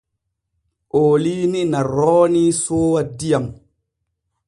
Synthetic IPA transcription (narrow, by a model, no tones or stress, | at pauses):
ʔoːliːninarɔːnisoːwadijam